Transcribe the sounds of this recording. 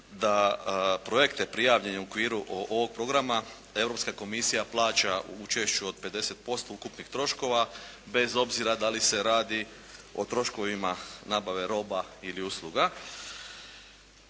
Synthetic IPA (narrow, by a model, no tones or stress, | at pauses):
d̪apɾo̞je̞kt̪e̞pɾijaːʋʎe̞ɲeuokʋiːɾuʔoʔoʋo̞ɡ̚pɾo̞ɡɾama | e̞vɾo̞pskako̞misijaplˠaːt͡ʃaṵut͡ʃe̞ʃt͡ʃuo̞d̪̚pe̞d̪e̞se̞t̪̚po̞st̪o̞ukupnixt̪ɾo̞ʃko̞ʋa | be̞zo̞bziɾad̪alise̞ɾaːd̪i | o̞̰t̪ɾo̞ʃko̞ʋimanaːbaʋe̞ɾo̞bailiuslˠuɡa